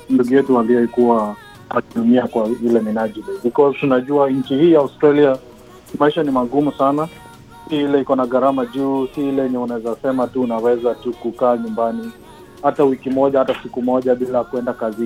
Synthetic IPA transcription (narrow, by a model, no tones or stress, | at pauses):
nduɡujɛtualiɔikuwa | akiɗumiakwavilɛminaʄiviɓikɔztunaʄuaɲ̩t͡ʃihiːjaustɾalia | maiʃanimaɠumusana | siilɛikɔnaɠaɾamaʄuːsiilɛɛɲɛunawɛzasɛmatuːnawɛzatukukaːɲumbani | hatawikimɔʄahatasikumɔʄaɓilajakuɛndakazi